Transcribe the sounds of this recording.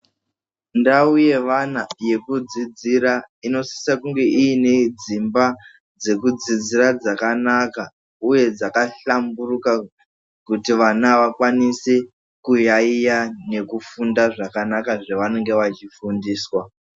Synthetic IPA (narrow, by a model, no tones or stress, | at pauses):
ndauje̞ʋanaje̞kud͡zid͡ziɾa | ino̞si̥sakuŋɡe̞ʔiine̞d͡zimba | d͡ze̞kud͡zid͡zirad͡zakanaka | uje̞d͡zakaɬamburuka | kutiʋanaʋakwanise̞ | kujaijane̞kufundaʐakanakaʐeʋane̞ŋɡe̞ʋat͡ʃifundiːswa